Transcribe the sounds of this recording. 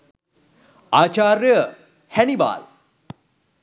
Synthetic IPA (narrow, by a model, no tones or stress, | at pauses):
aːt͡ʃaːɾjə | hɛniba̰ːl